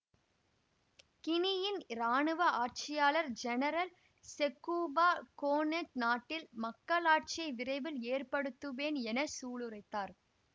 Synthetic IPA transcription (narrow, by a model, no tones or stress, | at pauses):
kɪnɪjɪnɾaːɳɯʋɐaːʈ̚t͡ʃɪjaːlɐɾd͡ʒɛnɐɾɐl | sɛkːuːbaːkoːnɛʈnaːʈːɪlmɐkːɐlaːʈ̚t͡ʃɪɐɪʋɪrɐɪʋɪleːrpɐɽɯt̪ːɯʋeːnɛnɐsuːɭɯrɐɪt̪ːaːɾ